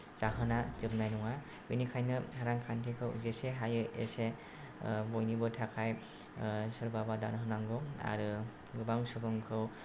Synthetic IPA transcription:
t͡ʃaɦɯnazɯp̚najnɔŋa | binikʰajnɯhaɾaŋkʰantʰikʰɯwzeseɦajɯʔese | bɔjnibɯtʰakʰaj | sɯɾbabadanɦɯnaŋɡɯa̰ɾɯ | ɡɯbaŋsɯbɯŋkʰɯw

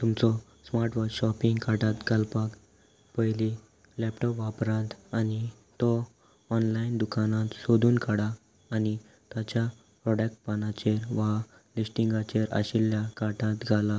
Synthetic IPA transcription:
t̪umt͡sɔ | smaɾʈʋɔɕɔpĩŋɡkaʈat̪ɡʱalpak | pəjli | lɛpʈɔpʋapɾãnt̪ani | t̪ɔː | nlaind̪ukanãt̪sod̪ʱuːnkaɽaː | ni | t̪at͡ɕja | pɾɔɽak̚ʈ̚panat͡ɕeɾʋa | lisʈiŋɡat͡ɕeɾa̰ɕiljakaʈat̪ɡʱala

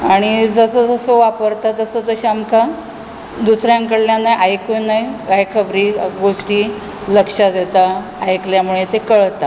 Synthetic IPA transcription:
aɽ̃id͡zəsəd͡zəsoʋapəɾt̪at̪əsod͡zəɕamka | d̪usɾjãŋkəɽljãnajʔajkunajajkʰəbɾiːɡoʂʈiː | ləkʂad̪et̪aː | jkljamuɭet̪ekəɭt̪a

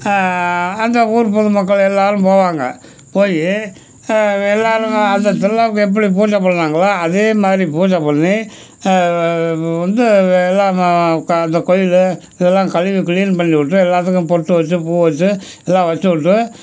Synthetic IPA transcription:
ɐnd̪ɐuːɾpɔðɯmɐkːɐɭɛlːaːɾɯ̃mpoːʋaːŋɡɐ̰ | poːji | ɛlːaːɾɯɐnd̪ɐt̪ːɪlːaːʋkːʊ̃ɛp̬ːɐɽip̬uːʈːɐpːɐɽɐnaːŋɡɐɭaːɐðeːmaːd̪ɾipuːʈːɐpːɐɳnːi | ʋɐnd̪ɯɛlːãːɐnd̪ɐkɔjɪl | ɪðɛlːãːkɐlɪʋik̬liːnpɐɳːiʋɪʈːɯɛlːaːɾt̪ɯk̬ːʊ̃pɔɽʈːɯʋɐt͡ʃːɯpuːʋɐt͡ʃːɯ | ɛlːãːʋɐt͡ʃːɯʋɪʈːɯ

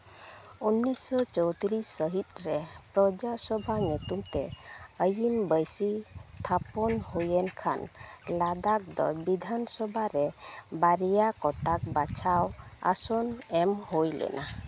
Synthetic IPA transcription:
unːisɔt͡ʃɔwt̪iɾisːəɦit̪̚ˀɾɛpɾɔd͡ʒasɔbʱaɲut̪umt̪ɛəjimbəjsit̪ʰapɔnhujɛnkʰa̰nlad̪ak̚d̪ɔ̰bid̪ʱansɔbʱaɾɛbaɾijakɔʈak̚bat͡ʃʰawa̰sɔnɛmhojlɛ̰nʔa

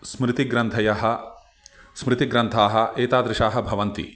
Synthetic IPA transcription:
smɾɪt̪iɡɾɐnt̪ʰɐjɐɦɐ̆ | smɾɪt̪iɡɾɐnt̪ʰaːɦɐ̆ʔeːt̪aːd̪ɾɪʃaːɦɐ̆bʱɐʋɐnt̪ḭ

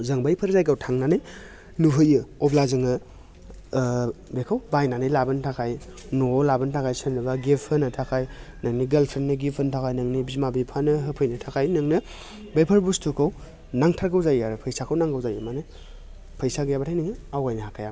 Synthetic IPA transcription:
zɯŋbajpʰɐɾzajɡawtʰaŋnanɯj | nuɦɯjɯɔblazɯŋɯ | bekʰawbajnanɯjlabɯntʰakʰajnolabɯntʰakʰajsɯnːɯbaɡepʰɯnɯtʰakʰajnɯŋniɡelpʰɾennɯɡipʰhɯntʰakʰajnɯŋnibizmabipʰanɯɦɯpʰɯjnɯtʰakʰajnɯŋnɯ | bajpʰɐɾbustʰukʰaw | naŋtʰaɾɡawzajaɾɯpʰəjsakʰawnaŋɡawzajɯmanɯ | pʰəjsaɡɯjabatʰajniŋɯawajnɯhakʰaja

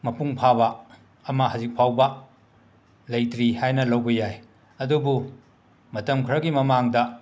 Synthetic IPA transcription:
mɐpuŋpʰaβɐː | mɐhɐzik̚pʰawbɐ | lɐjtɾihajnɐlɐwbɐjaj | ɐdubu | mɐtɐmkʰɾɐɡimɐmaŋdɐ

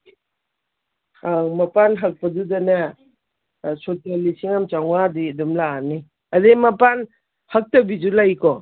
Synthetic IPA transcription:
amɐpanɦak̚pɐdudɐnɐ | sotalisiŋamt͡ʃaŋwadidumlaːni | ɐdemɐpan | hak̚tɐbid͡ʒulajkɔ

